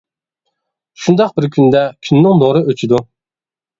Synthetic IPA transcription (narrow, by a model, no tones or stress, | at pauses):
ʃund̪ɑq̚bɪɾkʲʰynd̪ɛkʲʰynːɪŋnoɾɨʔøt͡ʃʰid̪u